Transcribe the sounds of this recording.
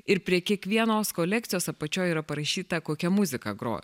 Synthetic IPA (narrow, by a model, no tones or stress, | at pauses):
ɪɾpʲɾʲiɛkʲiɛkʋʲiɛnoːskoːlʲæk̚t̪ʲɪjoːsɐpɐt͡ʃʲoːjiːɾɐpɐɾɐʃʲiːt̪ɐkoːkʲɛmʊzʲɪkɐɡɾo̰ːj̰